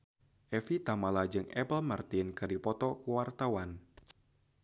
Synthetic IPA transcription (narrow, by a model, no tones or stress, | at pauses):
ʔɛfit̪amalad͡ʒɨŋɛ̰pəlmart̪inkɨrdipɔt̪ɔkuwart̪awan